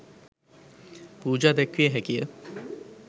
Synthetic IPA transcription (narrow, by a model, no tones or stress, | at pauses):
puːd͡ʒaːd̪ɛkʋijəɦækijə